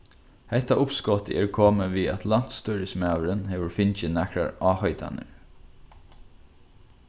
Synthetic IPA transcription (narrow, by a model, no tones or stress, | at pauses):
hɛht̪aʔʊpskɔt̪ɪ̰ʔɛɹkʰoːməʋiat̪lan̥t̪st̪ɔɾɪsmæːʋəɾənhɛːʋəɹfɪnt͡ʃɪnɛkɾa̰ɹɑːhœʏt̪a̰nə̰ɹ